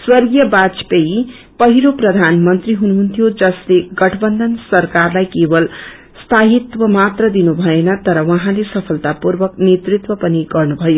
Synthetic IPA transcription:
swʌrɡjʌbat͡spei | pʌɦiɾoprʌd̪ʱanmʌnt̪riɦunuɦunt̪ʰijod͡zʌsleɡʌʈʰʌbʌnd̪ʱʌnsʌrkarlajkebʌl | st̪ʰaɦit̪wʌmat̪rʌd̪inubʱʌenʌt̪ʌɾʌwʌɦãlesʌpʰʌlt̪apurbʌknet̪rit̪wʌpʌniɡʌrnubʱʌjo

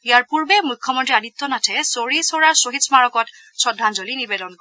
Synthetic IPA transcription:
ijaɹpuɹbɛmujkʰːɔmɔntɹiadit̪ːɔnatʰɛsoɹisoɹaɹsoɦitsmaɹɔkɔt | sɔdʱːanzolinibɛdɔnkɔ

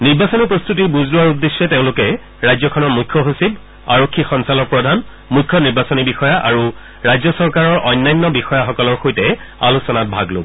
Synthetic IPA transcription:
niɹbasɔnipɹɔst̪utibuzlʊwaɹudːesːɔteʊ̃lʊkɛ | ɹajzɔkʰɔnɔɹmujkʰːɔɦosib | aɹokʰːixɔnsalɔk̚pɹɔdʱan | mujkʰːɔniɹbasɔnibixɔjaʔa̰ɹu | ɹajzɔsɔɹkaɹɔɹʔɔjnːajnːɔbixɔjaxɔkɔlɔɹxojtɛa̰lusɔnat̚bʱaɡlo̰bɔ

